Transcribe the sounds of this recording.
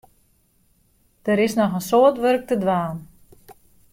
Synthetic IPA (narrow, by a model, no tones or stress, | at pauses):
d̥əɾɪsnɔxənsoətʋørk̚tədʋaːn